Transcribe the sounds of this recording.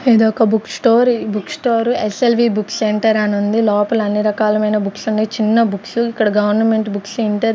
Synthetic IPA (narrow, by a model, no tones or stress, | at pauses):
eːd̪okɐbuksʈoːɾbuksʈoːɾueselʋiːbukseɳʈɐɾanund̪ilɔːpɐlɐnːiɾɐkaːlɐmɐjnɐbuksuɳɖit͡ʃinːɐbuksuikːɐɽɐɡɐʋɐɾnɐme̞ɳʈbuksiɳʈeɾ